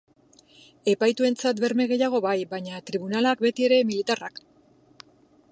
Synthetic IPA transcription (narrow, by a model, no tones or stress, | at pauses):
e̞pajt̪ue̞nt͡sat̪be̞ɾme̞ɣ̞e̞jaɣ̞o̞βajbaɲat̪ɾiβunalak̚be̞t̪ie̞ɾe̞milit̪arak